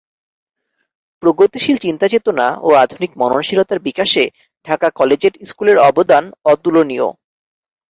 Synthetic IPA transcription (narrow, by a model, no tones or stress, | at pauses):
pɾoɡot̪iʃilt͡ɕint̪at͡ɕet̪ona̰oad̪ʱunikmɔnonʃilot̪aɾbikaʃe | ɖʱakakɔled͡ʑeɾiskuleɾɔbod̪anɔt̪ulonio̰